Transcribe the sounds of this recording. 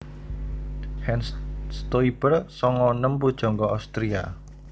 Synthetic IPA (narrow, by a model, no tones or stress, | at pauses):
hɛnsst̪oib̥ərsɔŋɔnəmpud̥ʒ̥ɔ̤ŋɡɔawst̪ɾia̰